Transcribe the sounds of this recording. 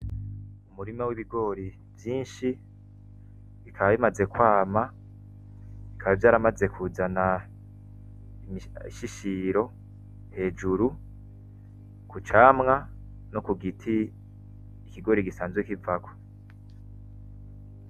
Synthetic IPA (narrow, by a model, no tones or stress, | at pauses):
umuɾimawiβiɡo̞ːɾi | vjiːnʃi | βikʰaβaβimaze̞kwaːma | ikʰaβavjaːɾamaze̞kʰuzana | iʃiʃiɾo̞ | he̞ːd͡ʒuɾu | kut͡ʃaːmŋa | nokuɡitʰiː | kiɡo̞ɾiɡisaːnzwekivako̥